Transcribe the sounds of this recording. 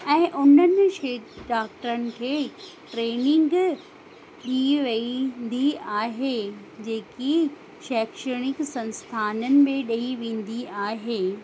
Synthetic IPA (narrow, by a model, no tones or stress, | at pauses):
ɛ̃ːʔʊnənɪ̆ʃeːɖaːk̚ʈəɾənɪ̆kʰeːʈɾeːnɪ̃ŋɡ | ɗiʋend̪iaːɦe | d͡ʑeːki | ʃɛːkʃəɽ̃ɪksɐ̃nst̪ʰaːnənɪ̆mẽɗɐiʋẽːn̆d̪iaːɦeː